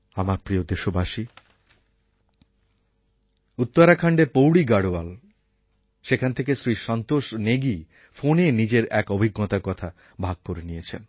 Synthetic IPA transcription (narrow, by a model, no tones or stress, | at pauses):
amaɾpɾiod̪eʃobaʃi | ut̪ːaɾakʰaɳɖeɾpowɽiɡaɽoal | ʃekʰant̪ʰekesɾiʃɔnt̪oʃneɡi | fonenid͡ʑeɾɛkɔbʱiɡːot̪aɾkɔt̪ʰa | bʱaɡ̚koɾenijet͡ɕʰen